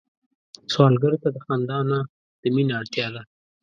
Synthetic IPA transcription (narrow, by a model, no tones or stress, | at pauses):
swɑlɡaɾot̪ad̪əxand̪ɑna | d̪̥əminaaɽt̪jɑd̪a